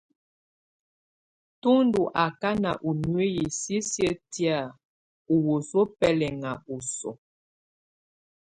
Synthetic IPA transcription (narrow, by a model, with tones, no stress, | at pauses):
tu˦ndu˨ʔa˨ka˦na̰˨ʔu˨nwe˦ji˨si˦sjə˦ti˦a˦˨ | u˨wo˨so˦pɛ˦lɛ˨ŋa˨u˨sɔ̰˨